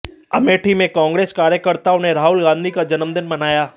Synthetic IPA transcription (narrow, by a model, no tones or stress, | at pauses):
ɐ̰meːʈʰimẽkɔ̃ːŋɡɾeːskaːɾjəkəɾt̪aʊnɦeɾaːɦʊlɡãːnd̪ʱikad͡ʒɐnəmd̪ɪnmɐnaːjaː